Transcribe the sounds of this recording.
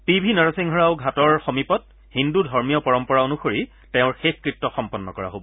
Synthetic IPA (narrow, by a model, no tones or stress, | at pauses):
pibʱinaɹasiŋʱɔɹaʊɡʱatɔɹxomipɔt̚ | hindudʱɔɹmijɔpɔɹɔmpɔɹaonuxoɹi | teʊ̃ɹxexkɹit̚tːɔxɔmpɔnːɔ̰kɔɹa̰ɦobɔ